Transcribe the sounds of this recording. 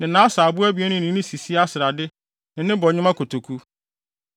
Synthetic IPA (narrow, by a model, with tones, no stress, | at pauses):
nɪ̃˨nãː˨˦saː˨bʊ˦æ˦bi˨˦ɛ˦nʊ̃˦nɪ̃˦nɪ̃˦si˨si˦a˦sɪ˨ɾa˨dɪ˦ | nɪ̃˨nɪ̃˦bɔ˨ɲɪ̃˦mã˦kʰo˨tʰo˨kʰu˦